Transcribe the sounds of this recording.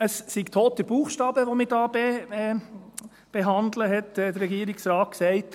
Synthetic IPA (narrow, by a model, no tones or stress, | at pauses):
əssiɡt̪ʰoːtəb̥uːχʃtɑːbəʋomiɾdɑːbe | b̥eɦɑnd̪ləɦɛtːd̥̪ərːɛɡiːɾɪksɾɑːt̚ksɛɪt